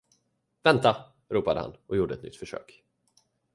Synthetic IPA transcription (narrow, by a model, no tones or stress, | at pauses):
vɛnt̪a | ɾuːpad̪əha̰nɔjuːɖəɛt̪nʏ̰t̪ːfœʂø̰ːk